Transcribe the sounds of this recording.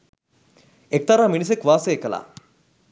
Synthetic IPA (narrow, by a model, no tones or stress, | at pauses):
ek̚t̪ɐɾaːminis̬ekʋaːseekəla̰ː